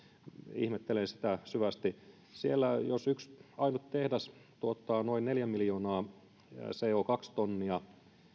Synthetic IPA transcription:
ḭhmet̪ːelensi̥t̪æsyʋæst̪i | sielːæjosyksɑinut̪t̪ehdæst̪uot̪ːɑnoinneljæmiljoːnɑː | seːokɑkst̪onːiɑ

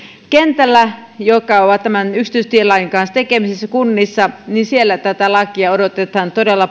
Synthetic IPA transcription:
kent̪ælːæjokːˑɑoʋɑtt̪æmænyksi̥t̪yst̪ielɑjiŋkɑnst̪ekemisisːækunːisːɑninsielːæt̪æt̪ælɑkiɑodot̪et̪ɑːnt̪odelːɑ

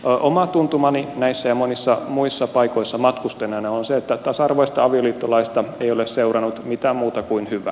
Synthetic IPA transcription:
ʔomɑt̪unt̪umɑninæisːæjɑmonisːɑmuisːɑpɑikoisːɑmɑt̪kust̪enɑnɑonseet̪ːæt̪ɑsɑrʋoist̪ɑɑʋioliːt̪ːolɑist̪ɑeiolesseurɑnut̪mit̪æːmmuːt̪ɑkuinhyʋæ̰

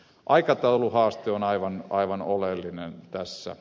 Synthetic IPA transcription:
ʔɑikɑt̪ɑuluhɑːst̪eonɑiʋɑnɑiʋɑnolelːinent̪æsːæ̰

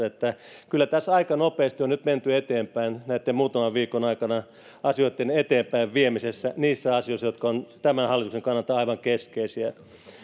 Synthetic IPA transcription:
et̪ːæ | kylːæt̪æsɑikɑnopeːst̪ionnyt̪ment̪yet̪eːmpæinnæit̪ːemmuːt̪ɑmɑʋʋiːkonɑikɑnɑ | ɑsioit̪ːenet̪eːmpæiʋʋiemisesːæniːsːæɑsijoisːjot̪kɑont̪æmænhɑlːit̪ukseŋkɑnːɑlt̪ɑɑiʋɑŋkeskeisiæ

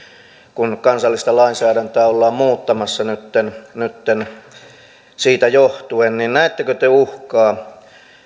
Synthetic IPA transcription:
kunkɑnsɑlːist̪ɑlɑinsæːɾænt̪æːolːɑːmmuːt̪ːɑmɑsːɑnyt̪ːennyt̪ːen | siːt̪æjoht̪uenninnæet̪ːekøt̪euhkɑː

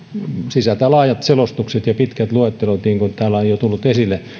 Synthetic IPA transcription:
sisæt̪ælɑːjɑt̪selost̪ukset̪jɑpit̪kæt̪luet̪ːelot̪niːŋkont̪æːlæojjot̪ulːut̪esilːˑe

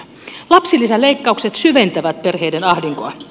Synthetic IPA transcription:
lɑpsilisæle̞jkːɑukset̪syʋe̞nt̪æʋæt̪̚perɦejdenɑhdiŋkoɑn

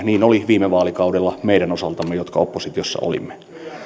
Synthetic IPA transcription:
niːnoliʋiːmeʋɑːlikɑudelːɑmeiɾænosɑlt̪ɑmːejot̪kɑo̰pːosit̪iosːɑ̰ʔo̰lḭmːe

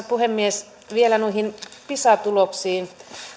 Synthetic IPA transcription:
puhemːies | ʋielænuihinpisɑt̪uloksiːn

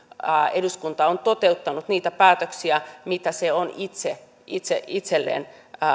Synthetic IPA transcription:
eduskunt̪ɑont̪ot̪eut̪ːɑnut̪niːt̪æpæːt̪øksiæmit̪æseonit̪se | it̪seʔit̪selːḛːn

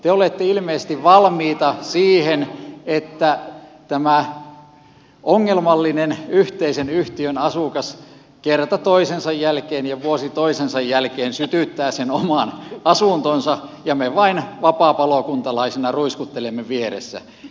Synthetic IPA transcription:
t̪eolet̪ːeilmeisest̪iʋʋɑlmiːt̪ɑsiːhenet̪ːæ | t̪æmæ | ʔoŋːelmɑlːinenyht̪eisenyht̪iønɑsukɑs | kert̪ɑt̪oisensɑjjælkeːnjɑʋuosit̪oisensɑjjælkeːnsyt̪yt̪ːæːsenomɑˑnɑsuˑnt̪onsɑjɑmeʋɑinʋɑpɑˑpɑlokunt̪ɑlɑisenɑruiskut̪ːelemːeʋieɾḛsːæ̰

